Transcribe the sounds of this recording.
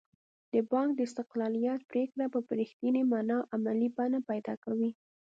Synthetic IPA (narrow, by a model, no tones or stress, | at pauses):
d̪̥əbɑŋk̚d̪əɪst̪ɪqlɑlijat̪̚pɾekɽapəpɾixt̪ənimɑnɑʔamalibɑnapajd̪ɑkawi